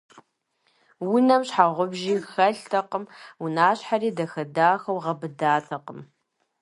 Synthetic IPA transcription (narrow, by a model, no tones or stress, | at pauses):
wʊnɐmɕħaʁʷʊbʒiːxɐɬtʰɐqəmwʊnaːɕħaɾiːdɐxɐdaːxɐwʁɐbɨdaːtʰɐqəm